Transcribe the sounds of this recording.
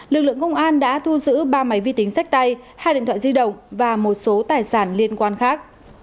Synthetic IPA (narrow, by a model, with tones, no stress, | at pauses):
lɨ˨˩k̚lɨ̰˧˨əŋkə˧wŋ͡mʔaː˧nɗa̰ː˧˥t̪ʰu˧zɨ̰˧˥ɓaː˧ma˨˦jvi˧t̪ï˨˦ŋ̟sa˦˥k̚t̪a˧jhaː˧jḭ˧˨t̪ʰw̰aː˧˨zi˧ɗə̰˧˨wŋ͡mvaː˨˩mo˨˩t̚so˨˦t̪aː˨˩jsaː˧˩nli˧ənkwaː˧nxaː˦˥k̚